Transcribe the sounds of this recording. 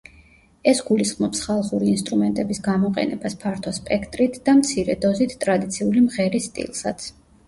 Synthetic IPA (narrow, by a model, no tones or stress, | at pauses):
ɛsɡulisχmɔpsχalˠχuɾiːnst̪ʼɾumɛnt̪ʼɛbisɡamɔqʼɛ̰nɛbaspʰaɾt̪ʰwaspʼɛkʰt̪ʼɾit̪ʰd̪̥amt̪sʰiɾɛd̪ɔzit̪ʰt̪ʼɾad̪it̪sʰiulimʁɛɾist̪ʼḭlˠsat̪sʰ